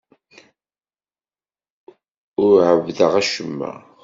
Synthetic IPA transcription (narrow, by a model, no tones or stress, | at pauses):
ʊɾʕəvðəʁæʃəmːæ̰